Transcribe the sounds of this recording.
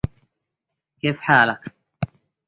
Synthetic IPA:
keːfħaːlak

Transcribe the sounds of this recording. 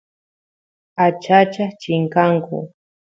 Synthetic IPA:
at͡ʃat͡ʃat͡ʃɪŋkaŋkʊ̰

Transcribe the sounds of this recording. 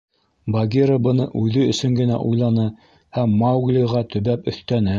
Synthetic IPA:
bɐɡʲiɾəbɤ̆nɤʔʉðɵɵ̆sɵŋɡɘ̆næ̰ʔujlˠɑnɤ | hæmːawɡlʲiʁɑt̪ɵ̆βæpɵ̆θt̪ænɘ

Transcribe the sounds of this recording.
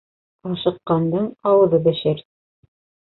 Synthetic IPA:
ɑʃɤ̆qːɑnd̪ɤɴɑwɤ̆ðɤbɘ̆ʃɘɾ

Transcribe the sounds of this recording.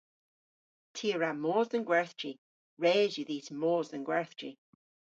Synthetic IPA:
tʰiːəɹamoːzənɡwɛɹθdɹ̥i | ɹɛːzjəðiːtəmoːzənɡwɛɹθt͡ʃɹḭ

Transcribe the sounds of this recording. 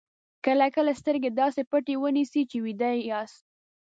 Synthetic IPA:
kəlakəlast̪əɾɡed̪ɑsepəʈewənisit͡ʃewid̪ajɑst̪̚

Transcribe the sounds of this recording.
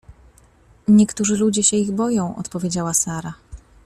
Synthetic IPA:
ɲɛkt̪uʐɘlud͡ʑɛɕɛiɣbɔjɔ̃w̃ʔɔ̰t̪pɔvʲed͡ʑawasaɾa

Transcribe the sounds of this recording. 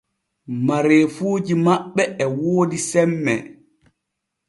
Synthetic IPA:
maɾeːfuːd͡ʒimaɓːɛɛwoːdisɛmːɛ̰

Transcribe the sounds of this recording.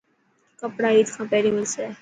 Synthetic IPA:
kəpɽaiːt̪kʰãːpɛːɾimɪlsɛ

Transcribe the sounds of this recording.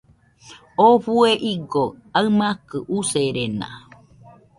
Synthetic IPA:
ofueʔiɡoaɨmakɨʔuseɾena̰

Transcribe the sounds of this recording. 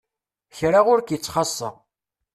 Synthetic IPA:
çɾaʁʊɾkjət͡sːχɑsˤːə̰ʁ

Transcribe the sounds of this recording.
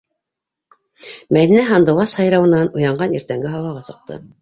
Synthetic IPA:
mæðinæɦɑnd̪ɤ̆w̪ˠɑshɑjɾɑwɤ̆nɑnŏjɑɴɢɑnḭɾt̪æŋɡɘɦɑlˠɑʁɑsɤ̆q̚t̪ɤ̰

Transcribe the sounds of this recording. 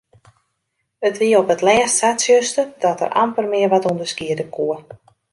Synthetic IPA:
ətʋiəɔpətlɛːssasjøstədɔtə̰rʔa̰mpərmɪərʋɔtundəskiədəkʰuə

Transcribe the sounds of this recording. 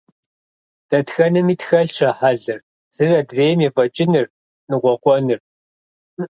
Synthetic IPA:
d̥ɐtxɐnɨmiːtxɐɮʂɐħaɮɨr | z̥ɨrɐdveːjmjɛfʼɐt͡ʃʼɪnɨr | nɨʁʷɔqʷɔnɨr

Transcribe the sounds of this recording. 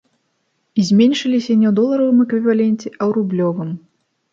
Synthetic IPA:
izʲmʲenʲʂɨlʲisʲɐnʲɛwd̪ɔlˠɐɾɐvɨmɛkvʲivalʲɛnʲt͡sʲɛʔɐwɾublʲɔvɨm

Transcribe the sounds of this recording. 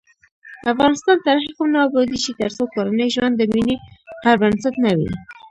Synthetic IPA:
afɣɑnɪst̪ɑnt̪aɾxiqamnɑːbɑd̪it͡ʃit̪əɾsokoɾanəjʒwand̪ːəminehaɾbansat̪nawḭ

